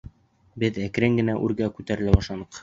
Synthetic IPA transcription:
bɘðækɾɘŋɡɘ̆næʔʉɾɡækʉt̪æɾɘ̆læbɑʃlˠɑnɤq

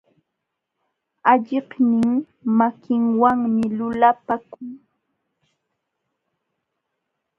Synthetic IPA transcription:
aʎɪhnɪŋ | makʰɪŋwaŋmɪlʊlapakʊŋ

